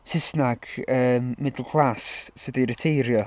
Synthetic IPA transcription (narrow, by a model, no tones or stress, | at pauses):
sɪsnaɡ̥əːmːɪdlˠkʰlˠasːɨdiɾətʰejɾjɔ